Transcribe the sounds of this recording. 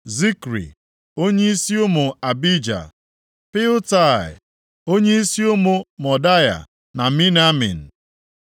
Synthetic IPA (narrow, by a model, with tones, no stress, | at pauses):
zi˦kɾḭ˨ | o˦ɲe˦i˦si˦ʊ˦mʊ˨a˨bi˦d͡ʒa̰˨ | pɪ˦ʊ˦ta˦˨ɪ̰˨ | o˦ɲe˦i˦si˦o˦mo˨mɔ˨da˦ja̰˨ | na˨mi˦n˦a˦mḭ˨n̩˨